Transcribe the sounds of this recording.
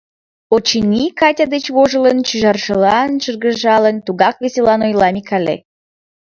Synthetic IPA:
ot͡ɕənʲikɑtʲɑd̪ət͡ɕβoʒələnt͡ɕyʒɑrʃə̆lɑnʃərɣə̆ʒɑlənt̪uɣɑk̚βeselɑnojlɑmʲikʰɑlḛ

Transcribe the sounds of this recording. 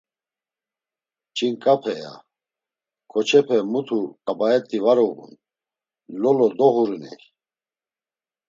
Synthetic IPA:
t͡ʃʼinkʼapʰɛja̰ | kʰʼɔt͡ʃʰɛpʰɛmut̪ʰukʼabaɛt̪ʼivaɾɔɣṵn | lɔlɔd̪ɔɣuɾinɛ̰j

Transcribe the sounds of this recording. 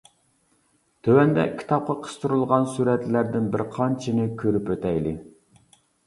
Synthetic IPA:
t̪ʰøwɛnd̪ɛ̰kʲʰi̥t̪ʰɑp̚qʰɑqʰə̥st̪ʰuɾulˠʁɑnsuɾɛt̪læɾd̪ɪnbɪɾqʰɑnt͡ʃʰinɪkʲʰøɾypøt̪ɛjlɪ

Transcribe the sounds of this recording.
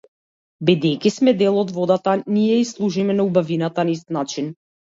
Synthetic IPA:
bid̪ɛjkismɛd̪ɛlˠɔd̪vɔd̪at̪anijɛislˠuʒimɛnaubavinat̪anaist̪nat͡ʃin

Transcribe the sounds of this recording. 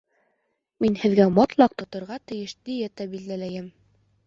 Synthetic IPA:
minhɘ̆ðɡæmɒt̪lˠɑq̚t̪ŏt̪ŏɾʁɑt̪ɘ̆jɘʃd̪ijæt̪æbild̪ælæjɘm

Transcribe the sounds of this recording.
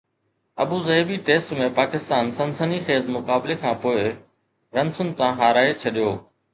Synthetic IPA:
ɐ̰buzɐbiʈeːsʈmẽpaːkɪst̪aːnsɐ̃nsənixeːzmʊkaːblekʰãːpoːɪ | ɾɐnsʊnt̪ãːɦaːɾaːet͡ɕʰɐɗijoː

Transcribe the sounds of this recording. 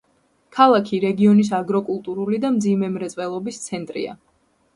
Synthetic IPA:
kʰalˠakʰiɾɛɡiɔnis̬aɡɾɔkʼulˠt̪ʼuɾulid̪amd̪zimɛmɾɛt̪sʼɛlˠɔbist̪sʰɛnt̪ʼɾḭa̰

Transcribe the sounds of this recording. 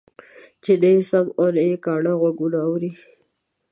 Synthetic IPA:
t͡ʃed̪əsamonaekɑɳaɣwaɡunaːwɾi

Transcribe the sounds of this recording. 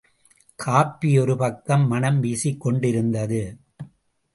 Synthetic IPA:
kʰaːpːijɔɾɯpɐkːɐmːɐnɐmʋiːsɪkːɔɳɖɪɾɯnd̪ɐðɯ

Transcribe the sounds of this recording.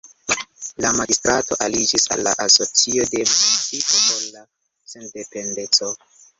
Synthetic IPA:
lamaɡistɾato̞̰ʔalid͡ʒisa̰lːa̰ʔaso̞t͡sio̞de̞mut͡sipoʔolla | sendependet͡so

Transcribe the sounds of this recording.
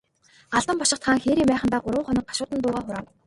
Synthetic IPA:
ɢaɮt̪ə̆mpɔʃɪ̆χt̪χaːŋxeːɾiːmæːχə̆nt̪aːɢʊɾwʊ̆ŋχɔnɞ̆k̚ɢḁʃʊːt̪ə̆nt̪ʊːʁaːχʊɾaːw

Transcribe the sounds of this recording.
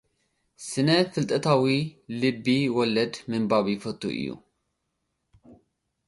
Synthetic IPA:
sɨnɐfɨlt̪ʼɐt̪ʰawilɨbːiwɔlɐd̪mɨmbaβijfɐt̪ʰʼːṵʔɨ̰jːṵ

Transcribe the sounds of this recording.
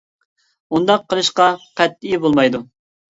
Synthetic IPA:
und̪ɑqʰːəlˠɨʃqɑqʰɛt̪ːijibolˠmɑjd̪u

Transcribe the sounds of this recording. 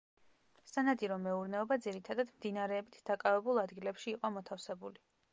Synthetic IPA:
sanad̪iɾɔmɛuɾnɛɔbad̪ziɾit̪ʰad̪ad̪md̪inaɾɛːbit̪ʰd̪akʼavɛbulˠad̪ɡilɛpʃiːqʼɔmɔt̪ʰafsɛbuli

